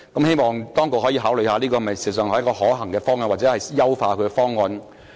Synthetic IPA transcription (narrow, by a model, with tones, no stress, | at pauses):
kɐ˨˥mhe˥jmɔː˨ŋt̪ɔː˥ŋko˨˧k̚hɔ˨˥jiː˧ɦaː˨˥wlɵ˨˧jhaː˨˧liː˥kɔː˧hmɐ˨jsi˨˩˨s̬œː˨ŋhkɔː˧ɦɔː˨˥ɦɐ˨˩ŋkɛː˧fɔː˥ŋwɔ˧nwaː˨t͡sɛː˨˧˥hɐ˨jjɐ˥wfaː˧kʰɵ˨˧kɛ˧fɔː˥ŋːɐ˨˧n